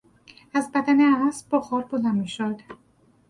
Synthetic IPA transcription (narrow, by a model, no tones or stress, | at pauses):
æzbæd̪æneææsbɒxɒːɾbozæmiʃod̪̥